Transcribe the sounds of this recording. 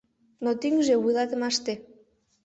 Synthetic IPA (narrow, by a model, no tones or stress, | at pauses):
not̪iŋʒewujlˠɑt̪ə̆mɑʃt̪e